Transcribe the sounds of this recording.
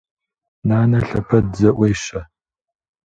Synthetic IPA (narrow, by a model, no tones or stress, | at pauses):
naːnɐɬɐpʰɐdzɐʔʷejʃɐ